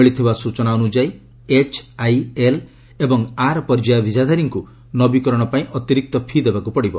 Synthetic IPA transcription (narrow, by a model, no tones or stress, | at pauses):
iɭit̪ʰibasut͡ʃɔnaunud͡ʒaj | et͡ʃʰajel | ebɔŋaɾpɔɾd͡ʒajabʱid͡ʒʱad̪ʱaɾiŋku | nɔbikɔɾɔɽ̃ɔpaĩʔɔt̪iɾik̚t̪ɔpʰid̪ebakupɔɽibɔ